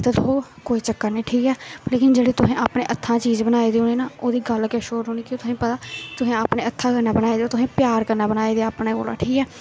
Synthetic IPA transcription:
t̪eːd̪ʊɦoːkoːiːt͡ʃəkːəɾnĩːʈʰiːkɛːleːkɪnd͡ʒeːɽeːt̪ʊsẽːaːpneːʔət̪ʰːãːt͡ʃiːzbənaːeːd̪iːɦoːniːnaːoːd̪iːɡəlkeːʃoːɾɦoːniːkɪt̪ʊsẽːpət̪aːt̪ʊsẽːaːpneːət̪ʰːãːkəɾnaːbənaːeːd̪eoːt̪ʊsẽːpjaːɾkəɾnaːbənaːeːd̪eːaːpnaɡo̰ːla̰ːʈʰiːkɛː

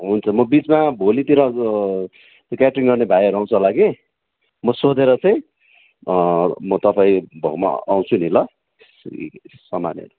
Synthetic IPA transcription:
ɦunt͡sʰʌmʌbit͡smabʱolit̪iɾʌ | t̪kjaʈriŋɡʌrnebʱajɦʌɾuaw̃t͡sʰʌlaɡe | mʌsod̪eɾʌt͡sʰʌj̃ | mʌt̪ʌpaĩbʱʌ̰wma̰ːw̃t͡sʰunilʌ̰ | sʌma̰njʌ̰ɾu

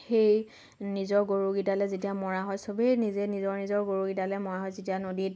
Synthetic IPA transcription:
xej | nizɔɹɡoɹuɡitalɛzetiamɔɹaɦɔjsobejnizɛnizɔɹnizɔɹɡoɹuɡitalɛmɔɹaɦɔjzetijanodit̚

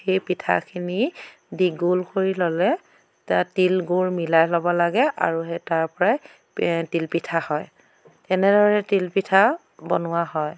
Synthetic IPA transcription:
xejpitʰa̰kʰini | diɡulkoɹilɔlɛ | tatilɡuɹmilajlɔbɔlaɡɛʔa̰ɹuetaɹpɔɹaj | tilpitʰahɔj | ɛnɛdʱɔɹɛtilpitʰa | bɔnʊwaɦɔj

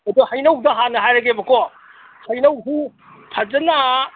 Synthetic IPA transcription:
ɐduhajnɐwdɐɦanɐɦajɾɐɡebɐkɔ | hɐjnɐwɦu | pʰazɐna

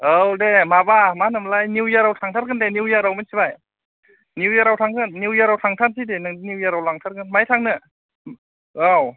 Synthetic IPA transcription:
awdemabamanɯmlajniwjaɾawtʰaŋtʰaɾkʰɯndeniwjaɾawmɯnsibaj | niwjaɾawtʰaŋkʰɯnːiwjaɾawtʰaŋtʰansidenɯŋdiniwjaɾawlaŋtʰaɾkɯnmajtʰaŋnɯ | aw

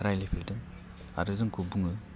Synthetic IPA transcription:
ɾajlepʰildɯŋ | a̰ɾɯzɯŋkubuŋɯ

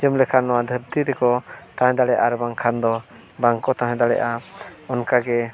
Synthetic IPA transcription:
d͡ʒəmlɛkʰanːɔwad̪ʱəɾt̪iɾɛkɔt̪ãɦɛ̃d̪aɽɛʔaɾɛbaŋkʰand̪ɔ | baŋkɔt̪ãɦɛ̃d̪aɽɛ̰ʔaɔnkaɡɛ

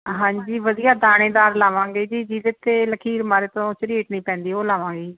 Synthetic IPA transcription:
ɦãːɲd͡ʒiːʋəd̪ijaːd̪aːɽ̃eːd̪aːɾlaːʋãːŋɡeːd͡ʒiːd͡ʒiːʋet̪eːləkʰiːɾmaːɾeːt̪õːt͡ʃɪɾɪeːʈnĩːpɛ̃ːnd̪iːoːlaːʋãːŋɡeː

